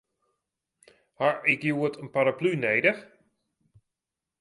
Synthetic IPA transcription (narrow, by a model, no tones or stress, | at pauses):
haʔɪkjuətʰənpaɾaplyneːdəx